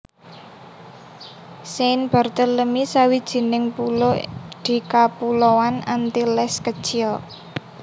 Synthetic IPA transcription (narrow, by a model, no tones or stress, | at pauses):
senb̥a̤rt̪əlləmisawid̥ʒ̥i̤nɪŋpulɔd̪̥i̤kapulowanant̪ilɛskəd̥ʒ̥iɔ